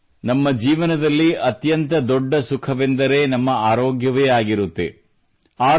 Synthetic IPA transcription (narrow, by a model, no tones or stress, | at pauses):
nɐmːɐd͡ʒiːʋɐnɐd̪ɐlːiʔɐt̪jɐnt̪ɐd̪ɔɖːɐsukʰɐʋend̪ɐɾe̞ːnɐmːɐaːɾoːɡjɐʋeːaːɡiɾut̪ːḛ | aː